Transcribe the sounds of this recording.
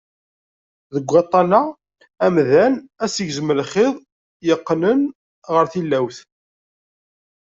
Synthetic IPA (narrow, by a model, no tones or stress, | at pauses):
ðəɡʷːæt̪ˤːɑna | æmðænæsəʝzməlχɪðˤ | jəqːnən | ʁəɾθilːæwθ